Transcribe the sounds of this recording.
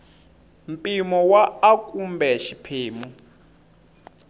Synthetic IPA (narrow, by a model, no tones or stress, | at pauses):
m̩pʼimɔwaːkʼumbɛʃipʰeːmu